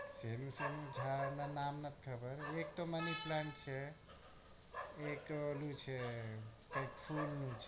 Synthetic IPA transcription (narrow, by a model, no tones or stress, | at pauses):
senusemud͡ʒʱaɾnanamnət̪̚kʰəbəɾekt̪oməniplaɳʈ̚t͡ʃʰɛ | ek̚tolut͡ʃʰɛpəkpʰulːut͡ʃʰɛ